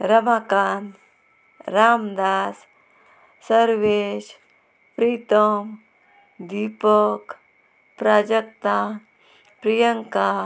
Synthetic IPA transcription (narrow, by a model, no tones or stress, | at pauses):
ɾɐmakaːn | ɾaːmd̪aːs | səɾʋeʃ | pɾiːt̪əm | d̪ipɔk | pɾaːd͡ʒək̚t̪a | pɾijəŋka